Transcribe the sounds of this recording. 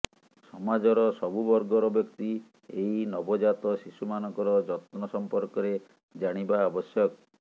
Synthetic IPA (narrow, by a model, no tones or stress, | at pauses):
sɔmad͡ʒɔɾɔsɔbubɔɾɡɔɾɔbjɔkt̪i | einɔbɔd͡ʒat̪ɔsisumanɔkɔɾɔd͡ʒɔt̪nɔsɔmpɔɾkɔɾe | d͡ʒaɽ̃ibaːbɔsjɔk